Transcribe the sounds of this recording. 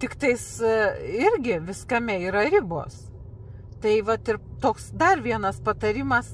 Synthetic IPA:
t̪ʲɪkt̪ɐɪs | ɪɾʲɡʲɪʋʲɪskɐmʲɛiːɾɐɾʲɪbo̰ːs | t̪ɐɪʋɐt̪ɪrt̪oːksd̪ɐrʋʲiɛnɐspɐt̪ɐɾʲɪmɐs

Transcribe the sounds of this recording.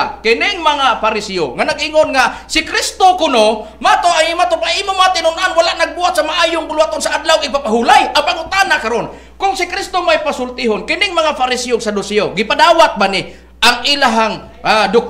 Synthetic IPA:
kɪnɪŋmaŋafaɾɪsio̰ŋanaɡʔiŋonŋasɪkɾist̪okʊno | mat̪oʔajmat̪opaimʊmaːt̪ɪnʊnʔanwalaʔnaɡ̚buɦat̪̚samaʔaːjʊŋkʊluat̪onsaʔad̪lawŋɪɡ̚papaɦulajapaŋʊt̪anakaɾon | kʊŋsɪkɾɪst̪omajpasʊlt̪ɪɦonkɪnɪŋmaŋafaɾɪsɛoŋsadʊsɛoɡɪpadaːwat̪̚banɪ | ʔaŋʔilaɦaŋadʊk̚

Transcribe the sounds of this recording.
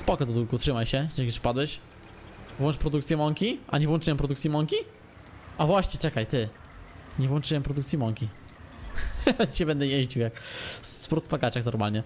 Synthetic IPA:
spɔkɔd̪ɔd̪ulkutʂɘmajɕɛakʲjufpad̪wɛɕ | vwɔnt͡ʂpɾɔd̪ukt̪sʲjɛmɔŋkʲiʔa̰ɲɛvwɔ̃nt͡ʂɨwɛmpɾɔd̪ukt̪sʲjimɔŋkʲi | avwaɕɲɛt͡ʂɛkajt̪ɘ | ɲɛvwɔnt͡ʂɘwɛmpɾɔd̪ukt̪sʲjimɔŋkʲi | alɛt͡ɕɛbɛnd̪ɛjeʑd͡ʑiwjakspɾut̪pakat͡ʂaxnɔɾmalɲɛ

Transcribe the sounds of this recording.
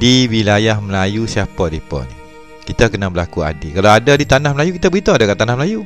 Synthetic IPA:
diwilajahməlajusiapadipa̰ni | kit̪akənabəlakua̰dikalawadadit̪anahməlajukit̪abəɣit̪aadakaʔt̪anahməlaju

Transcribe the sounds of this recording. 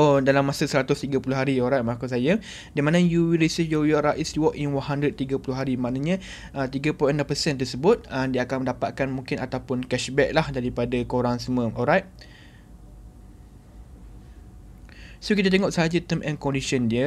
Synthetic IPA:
odalamːãsəsəɾat̪ʊst̪iɡapulʊɦaɾiɔlɾajt̪̚makusajə | dimãnə̃juwilɾisəfjɔjɔɾaʔistuwɔkinwanɦandɾəd̪̚t̪iɡapulʊɦaɾimãʔnãɲə̃ | ət̪iɡəpɔjʔənãmpəsɛnt̪̬ərsəbʊt̪̚əmdiəakanmə̃ndapat̪̚kanmũŋkɪnat̪awpʊnkɛʃbɛk̚lahdaɾipadakoɾaŋsəmə̃ɔlɾajt̚ | sokit̪at̪eŋɔʔsəɦad͡ʒət̪əmʔɛ̃nkɔ̃ndisəndiə

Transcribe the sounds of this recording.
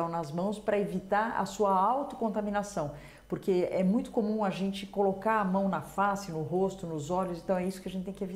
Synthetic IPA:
ɐ̃w̃nɐzmɐ̃w̃spɾɐevit̪aɾɐ̰suɐawt̪ʊ̥kõnt̪amĩnasɐ̃w̃ | poɾkeɛmũj̃t̪ʊ̥komũɐʒẽnt͡ʃɪkolokaɾɐmɐ̃w̃nɐfasɪnʊɦost̪ʊnʊzɔʎʊsẽnt̪ɐ̃w̃ɛisʊkɪɐʒẽnt͡ʃɪt̪ẽŋkɪevi

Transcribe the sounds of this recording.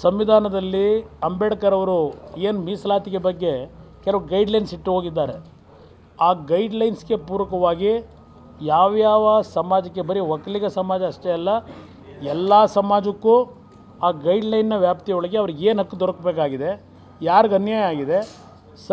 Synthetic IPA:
sɐmʋid̪ʱaːnɐd̪ɐlːiɐmbɛɽɐkɐɾɐʋɐɾueːnmiːslaːt̪iɡe̞bɐɡːe̞kɛlɐʋuɡɐjɖlɐjnsiʈːuɦoːɡid̪ːaːɾe | aːɡɐjɖlɐjnsɡe̞puːɾɐkɐʋaːɡi | jaːʋjaːʋɐsɐmaːd͡ʒɐk̬ːebɐɾiʋɐkɐliɡɐsɐmaːd͡ʒɐːʂʈeɐlːɐ | ɛlːaːsɐmaːd͡ʒɐkːuː | aːɡɐjɖlɐjnːɐʋjaːpt̪ijɔɭɐɡe̞ɐʋɐɾuɡeːnɦɐkːud̪ɔɽɐkbeːkaːɡid̪e̞ | jaːɾuɡɐnjaːjɐaːɡid̪e̞ | s

